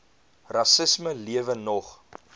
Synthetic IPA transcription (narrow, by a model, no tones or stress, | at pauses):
rɐsəsməliəvənɔχ